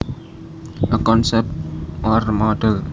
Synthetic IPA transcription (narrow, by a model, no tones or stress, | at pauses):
ʔəkɔnsɛp̚tʔɔrmɔɖəl